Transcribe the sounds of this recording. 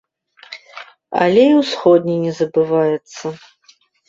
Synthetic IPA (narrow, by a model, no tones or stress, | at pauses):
ɐ̰lʲɛiwsxɔd̪ʲnʲinʲɛzɐbɨvajɛt̪sːɐ